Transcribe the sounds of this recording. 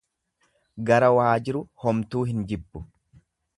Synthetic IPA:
ɡɐɾɐwaːd͡ʒɪɾʊhɔmt̪uːɦɪnd͡ʒɪbːʊ̥

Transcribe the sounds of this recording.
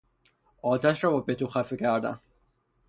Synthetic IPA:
ɒːt̪ʰæʃɾɒːbɒːbet̪ʰuxæfecʰæɾd̪æ̰n

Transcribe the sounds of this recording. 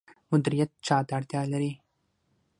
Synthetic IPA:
mʊd̪ɪɾijɐt̪̚t͡ʃaːd̪aːɾt̪jaːlɐɾi

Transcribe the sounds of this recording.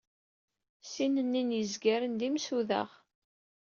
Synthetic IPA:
sinənːinjəzɡæɾənd̪imsuðæ̰ʁ

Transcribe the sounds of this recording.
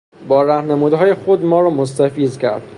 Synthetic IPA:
bɒːɾæhnemuːd̪ɦɒːjexod̪mɒːɾɒːmost̪æfiːzcʰæ̰ɾd̪̥

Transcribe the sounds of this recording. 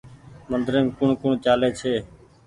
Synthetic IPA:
mənd̪ɾẽːmkʊɳkʊɳt͡ʃaːleːt͡ʃʰeː

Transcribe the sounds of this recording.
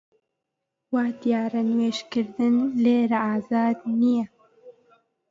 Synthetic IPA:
waːd̪ijaːɾanweːʃkɨɾd̪ɨnleːɾaaːzaːd̪nijɛ

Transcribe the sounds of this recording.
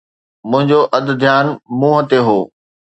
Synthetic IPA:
mʊ̃ɦɪ̃ɲd͡ʑoʔɐd̪d̪ʱjaːnmũːɦɐt̪eɦoː

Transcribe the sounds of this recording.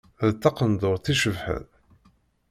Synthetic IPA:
ðt̪ːɑqənd̪ʊɾθiʃəvħə̰ð

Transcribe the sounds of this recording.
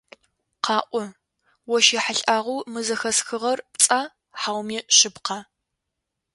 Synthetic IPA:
qɑːʔʷɔ | wɔʃeħaɬʼaːʁʷuwmɨzɐxɐsxɨʁɐrpt͡sʼaː | ħawmiːɕɪpqɑ

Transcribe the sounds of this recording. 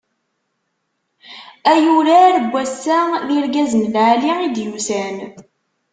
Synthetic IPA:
æjuɾaɾəɡʷːæsːæðiɾɡæzənlʕaliid̪jusæn

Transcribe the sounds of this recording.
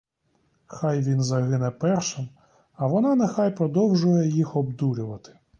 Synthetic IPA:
xajʋʲinzɐɦɪnɛpɛrʃɪm | ɐʋɔnɑnɛxajpɾɔd̪ɔwʒʊjɛjixɔbd̪uɾʲʊʋɐt̪ɪ̥

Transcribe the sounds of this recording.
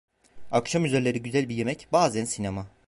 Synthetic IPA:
akʃamyzeɾlʲe̞ɾiɟyzælʲbije̞mɛcbaːzænsinema

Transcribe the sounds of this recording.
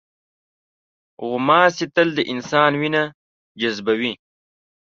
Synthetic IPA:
ɣʊmɑːsit̪əld̪əʔɪnsɑːnwina | d͡ʒazbawi

